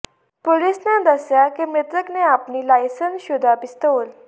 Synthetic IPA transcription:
polisnẽd̪əsjakemet̪ɾəkneapniːlajsənsɕud̪ʱapist̪ol

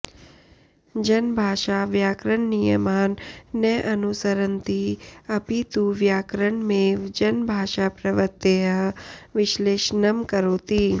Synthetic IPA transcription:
d͡ʒɐnbʱaːʃaːʋjaːkɾəɳnijəmaːnːəʔɐnusəɾənt̪iɐpit̪uʋjaːkɾəɳmẽːd͡ʒɐnbʱaːʃapɾɐʋət̪eːɦəʋɪʃleːʃnɐmkɐɾoːt̪iː

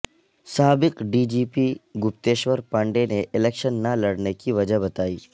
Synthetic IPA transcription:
saːbɪqɖiːd͡ʒiːpiɡʊpt̪eːʃʋəɾpɐ̃ɳɖeneʔɪlɛːkʃənːalɐɽnekiʋɐd͡ʒəɦbɐt̪aːiː

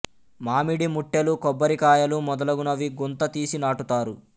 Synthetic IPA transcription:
maːmiɽimuʈːelukɔbːɐɾikaːjɐlumɔd̪ɐlɐɡunɐʋiɡunt̪ɐt̪iːsinaːʈut̪aːɾu

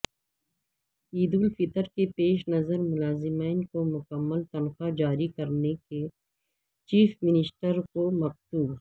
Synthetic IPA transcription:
iːd̪uːlfɪt̪əɾkepeːʃnɐzəɾmʊlaːzɪmaɪnkomʊkəmːəlt̪ɐnxad͡ʒaːɾikɐɾneke | t͡ʃiːfmɪnɪsʈəɾkomɐq̚t̪uːb

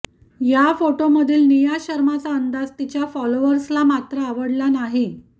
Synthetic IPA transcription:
jafoʈoməd̪ʱiːlnijaɕəɾmat͡saənd̪ad͡zt̪it͡ɕjafɔloʋəɾslamat̪ɾəːʋəɽlanaɦi

